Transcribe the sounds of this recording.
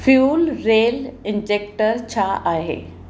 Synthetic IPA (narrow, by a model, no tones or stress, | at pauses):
fjuːlɾeːlɪ̃nd͡ʑeːk̚ʈəɾt͡ɕʰaaːɦḛː